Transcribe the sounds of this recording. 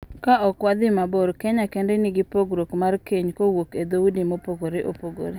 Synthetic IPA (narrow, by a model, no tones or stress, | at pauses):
kaʔɔkwad̪ɪmabɔɾkɛɲakɛndɛnɪɡɪpoɡɾokmarkeɲkowoked̪owudimopoɡoɾeʔo̰poɡo̰ɾe